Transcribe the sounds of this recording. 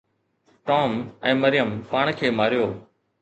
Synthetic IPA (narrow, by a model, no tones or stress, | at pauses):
ʈɔːmɛ̃ːməɾɪjəmpaːɳ̃kʰeːmaːɾjoː